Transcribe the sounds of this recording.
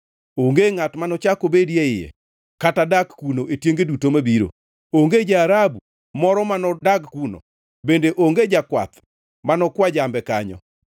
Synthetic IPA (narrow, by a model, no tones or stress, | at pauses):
oŋɡeŋatmanɔt͡ʃakobedjeɪjɛ̰ | katadaɡkunoʔetjeŋɡedutomabiɾo̰ | oŋɡed͡ʒaːɾabu | mɔɾɔmanɔdaɡkuno̰ | bendeʔoŋɡed͡ʒakwa̰t̪ | manɔkwad͡ʒambɛka̰ɲɔ̰